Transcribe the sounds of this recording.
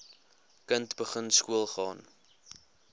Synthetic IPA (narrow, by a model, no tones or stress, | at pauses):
kəntbəχənskuəlˠχɑːn